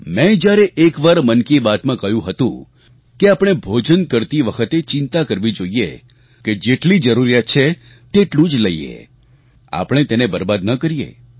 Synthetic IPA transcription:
mɛ̃d͡ʒjaɾeʔekʋaɾmənkibat̪mãkəjũɦət̪ṵ̃ | keapɽ̃ebʱod͡ʒənkəɾt̪iʋəkʰət̪et͡ʃɪnt̪akəɾʋid͡ʒoiḛ | ked͡ʒeʈlid͡ʒəɾuɾijat̪̚t͡ʃʰe | t̪eʈlũd͡ʒləḭḛ | a̰pəɽ̃et̪enebəɾbad̪nəkəɾijḛ

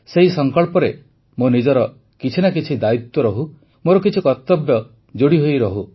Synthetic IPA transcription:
seɦisɔŋkɔɭpɔɾe | monid͡ʒɔɾɔ | kit͡ʃʰinakit͡ʃʰid̪ait̪wɔɾɔɦu | moɾɔkit͡ʃʰikɔt̪ːɔbjɔ | d͡ʒoɽiɦojɾɔɦu

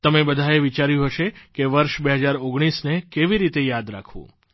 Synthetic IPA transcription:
t̪əmebəd̪ʱaeʋit͡ʃaɾjũɦəʃekeʋəɾʃbeɦəd͡ʒaɾoɡɽ̃isnekeʋiɾit̪ejad̪ɾa̰kʰʋṵ̃

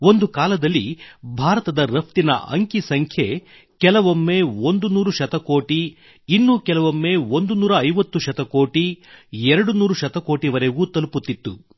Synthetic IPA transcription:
ond̪ukaːlɐd̪ɐlːibʱaːɾɐt̪ɐd̪ɐɾɐp̚ʰt̪inɐ̰ʔɐ̰ŋkisɐŋkʰje | kɛlɐʋomːe̞ːond̪unuːɾuʃɐt̪ɐko̞ːʈi | nːuːkɛlɐʋomːe̞ːond̪unuːɾɐːjʋɐt̪ːuʃɐt̪ɐkoːʈiɛɾɐɽunuːɾuʃɐt̪ɐko̞ːʈiʋɐɾeɡuːt̪ɐluput̪ːit̪ːṵ

